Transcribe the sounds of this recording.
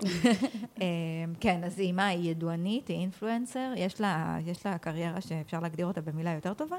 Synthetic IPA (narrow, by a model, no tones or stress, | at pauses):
emkenazimajeduanitiinfluenseʁjeʃlajeʃlakaʁje̞ʁaʃeːfʃaʁleːɡdiʁo̞t̪abe̞milajo̞te̞ʁto̞va